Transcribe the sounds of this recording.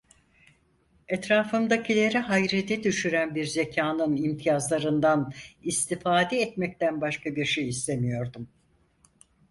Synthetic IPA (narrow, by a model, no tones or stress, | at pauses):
ɛt̪ɾaːfɯmd̪acilʲe̞ɾɛɦajɾed̪ɛd̪yʃyɾænbiɾzecʰaːnɯnimt̪ʰijazlˠaɾɯnd̪anist̪ʰifaːd̪ɛːt̪mɛc̚t̪ænbaʃkabiɾʃejist̪emijo̞ɾd̪um